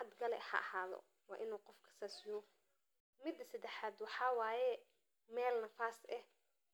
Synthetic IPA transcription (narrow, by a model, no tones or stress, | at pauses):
ħɑd̪ɡɐlɛhɐ̰ʔɐhaːðɔ̰ | wɑːʔɪnuːqɔfkʰɐ̥sɐsɪjɔ | mɪd̪ɐsɐd̪ɛħaːd̪wɑħɑːwɑːjɛ | mɛːlnɐfaːsʔɛh